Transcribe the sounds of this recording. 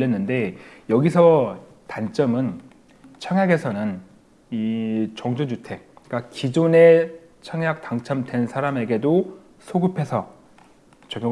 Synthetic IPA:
ʌnːɯnde̞jʌɡisʰʌ | tant͡ɕ͈ʌmɯn | t͡ɕʰʌŋjaɡe̞sʰʌnɯn | it͡ɕʌŋd͡ʑond͡ʑutʰe̞ik͈akid͡ʑone̞ | t͡ɕʰʌŋjak̚taŋt͡ɕʰʌmdwe̞nsʰaɾame̞ɡe̞do | sʰoɡɯpʰe̞sʰʌ | t͡ɕʌɡo

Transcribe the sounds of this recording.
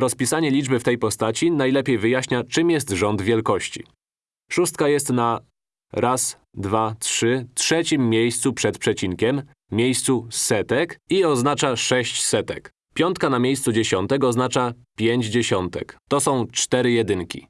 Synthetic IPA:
ɾɔspʲisaɲɛlʲid͡ʐbɘft̪ɛjpɔst̪at͡ɕinajlɛpʲjejvɘjaɕɲat͡ʂɘmjɛst̪ʐɔnd̪vʲjɛlkɔɕt͡ɕḭ | ʂust̪̚kajɛst̪na | ɾas | d̪vatʂɘtʂɛt͡ɕimːʲjejst̪supʂɛt̪pʂɛt͡ɕiŋkʲɛmːʲ | jejst̪susɛt̪ɛkiɔznat͡ʂaʂɛɕt͡ɕsɛt̪ɛk | pʲjɔnt̪̚kanamʲjejst̪sud͡ʑeɕɔnt̪ɛkɔznat͡ʂapʲjeɲd͡ʑd͡ʑeɕɔnt̪ɛ̰kt̪ɔsɔ̃w̃t͡ʂt̪ɛɾɘjɛd̪ɘŋkʲḭ

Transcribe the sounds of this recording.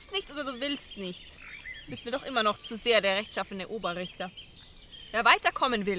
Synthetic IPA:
stnɪçtʔoːdɐduːvɪlstnɪçt | dbɪstmiːɐdɔχʔɪmɐnɔχt͡suzeːɐdeːɐʁɛçtʃafn̩dəʔoːbɐʁɪçtɐ | v̥eːɐvaɪtɐkʰɔmənvɪl

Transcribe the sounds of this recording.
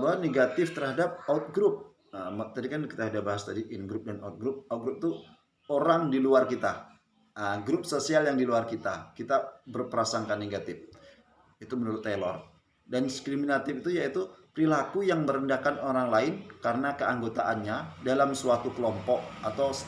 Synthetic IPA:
bawaneɡat̪ɪft̪ərhadap̚aut̪̚ɡɾʊp̚ | əmt̪adikanki̥t̪ahadabaɦast̪adiʔɪnɡɾʊp̚danaut̪̚ɡɾʊp̚at̪̚ɡɾʊp̚t̪u | oɾaŋdiluarkit̪a | əɡɾʊp̚sosialjaŋdiluarkit̪a̰kit̪abərpəɾasaŋkanːeɡat̪ɪf | it̪umənuɾʊt̪ːelɔr | danskɾiminat̪ɪfit̪ujait̪upəɾilakujaŋməɾəndahkanoɾaŋlaɪnkaɾənakəaŋɡot̪aʔanɲadalamsuwat̪ukəlɔmpɔk̚at̪aws

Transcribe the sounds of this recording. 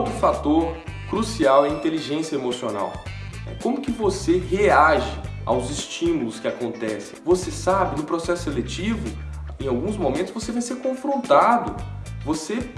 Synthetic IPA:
t̪ɾʊfat̪oɾ | kɾusiawɛĩnt̪eliʒẽsjɐemosiona̰w | ɛ̰kõmʊkɪvoseɦeaʒɪa̰wzɪst͡ʃĩmulʊskɪakõnt̪ɛsḛ̃j̃vosesabɪnʊpɾosɛsʊselet͡ʃivʊ | ẽj̃awɡũzmomẽt̪ʊzvosevaj̃seɾkõfɾõnt̪ad̪ʊ | vose

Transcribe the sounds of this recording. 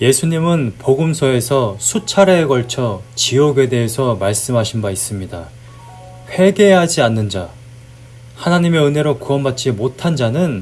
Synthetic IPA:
je̞sʰuɲimɯnpoɡɯmsʰʌe̞sʰʌsʰut͡ɕʰaɾeːɡʌɭt͡ɕʰʌt͡ɕiʌɡe̞de̞ɦesʰʌmaɭs͈ɯmɦaɕʰinbais͈ɯmɲida | ɸwe̞ɡe̞ɦad͡ʑianːɯnd͡ʑa | hanaɲime̞ɯnɦe̞ɾokuʌnbat͡ɕ͈imotʰand͡ʑanɯn

